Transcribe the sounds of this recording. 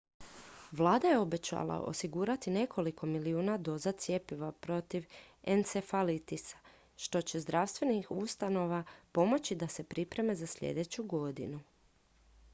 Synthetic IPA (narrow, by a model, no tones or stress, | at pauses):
ʋlˠaːd̪aje̞o̞be̞t͡ɕa̰lˠa̰ʔo̰siɡuːɾat̪ine̞kʰo̞likʰo̞miliuːnad̪o̞zat̪sje̞piʋapɾo̞t̪iʋensefalit̪isḁ | ʃt̪o̞t͡ɕe̞zd̪ɾaʋst̪ʋe̞nixust̪ano̞ʋapo̞mo̞t͡ɕid̪ase̞pɾipɾe̞me̞zasʎʲḛd̪e̞t͡ɕuɡo̞d̪ḭnu